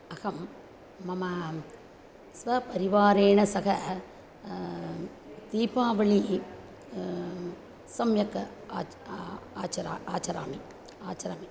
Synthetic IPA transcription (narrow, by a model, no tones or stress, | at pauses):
ɐɣɐmː | ɐmɐ | sʋɐpɐɾiʋaːɾeːɳɐsɐɣɐ | t̪iːpaːʋɐɭi | sɐmjɐkː | aːt͡ʃɐɾa̰ːaːt͡ʃɐɾa̰ːmi | aːt͡ʃɐɾaːmi